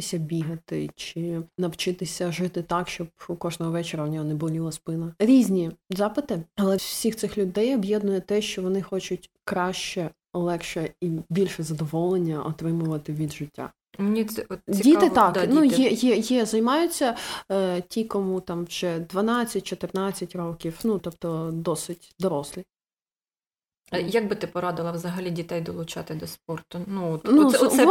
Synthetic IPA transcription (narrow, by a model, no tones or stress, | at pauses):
ɪsʲɐbʲiɦɐt̪ɪt͡ʃɪnɐwt͡ʃɪt̪ɪsʲɐʒɪt̪ɪt̪ɑkʃt͡ʃɔb̚ukɔʒnɔɦɔʋɛt͡ʃeɾɐʊnʲɔɦɔnɪbʊlʲilˠɐspɪnɐɾʲizʲnʲizɑpɪt̪ɪɐlˠɛwsʲixt̪sɪxlʲʊd̪ɛjɔbjɛd̪nʊjɛt̪ɛʃt͡ʃɔʋɔnɪxɔt͡ʃʊtʲ | kɾɑʃt͡ʃɛ | lˠɛkʃɛibʲilʲʃɛzɐd̪ɔʋɔlˠenʲːɐʔɔt̪ɾɪmʊʋɐt̪ɪʋʲid̪ʒɪtʲːa̰ | mnʲiɛɔt̪ʲit̪ɪt̪ɑkd̪nujɛjɛjɛzɐjmɑjʊt͡sʲːɐ | tʲikɔmut̪ɑmʒ̥ɛd̪ʋɐnɑt͡sʲːɐt̚ʲt͡ʃɔt̪ɪrnɑt͡sʲːɐtʲrɔkʲiwnut̪ɔp̚t̪ɔd̪ɔsɪtʲd̪ɔɾɔslʲi | jɐɡ̚bɪt̪ɪpɔɾɑd̪ɪlˠɐʋzɐɦɐlʲidʲit̪ɛjd̪ɔlˠʊt͡ʃɑt̪ɪd̪ɔsp̚ɔrt̪ʊnuɔt̪nuɔɛ